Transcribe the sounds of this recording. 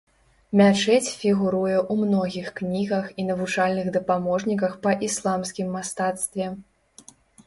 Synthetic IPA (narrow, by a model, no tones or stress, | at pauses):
mʲat͡ʂɛt͡sʲfʲiɣuɾujɛʔumnɔɣʲixknʲiɣɐxinɐvut͡ʂalʲnɨɣd̪ɐpamɔʐnʲikɐxpɐʔislˠamsʲkʲimːast̪at̪st̪vʲɛ